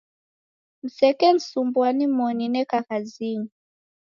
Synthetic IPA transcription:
m̩sɛkɛn̩sumbwanimɔninɛkakaziŋu

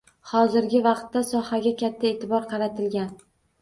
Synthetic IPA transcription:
hɒzɪɾɡʲɪvɑqt̪ːasɒhaɡʲakʲʰat̪ʰːae̞ːt̪ʰɪbɒɾqʰɑɾat̪ʰɪlɡʲan

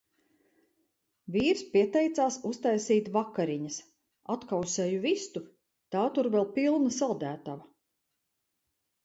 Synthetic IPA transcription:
viːɾspiɛt̪ɛjt̪saːsust̪ajsiːt̪vakaɾiɲɐs | at̪kawsɛːjuvist̪u | t̪aːt̪uɾvɛlˠpilˠnasalˠd̪æːt̪ava

